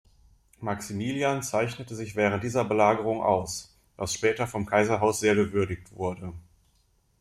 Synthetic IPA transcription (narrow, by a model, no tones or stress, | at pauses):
maksimiːliant͡saɪçnətəzɪçv̥ɛːʁ̞ənt̚d̥iːzɐbəlaːɡəʁ̞ʊŋʔa̰ʊs | d̥asʃpɛːtɐfɔmkʰaɪzɐɦaʊsz̥eːɐɡəvʏɐdɪçtv̥ʊɐdə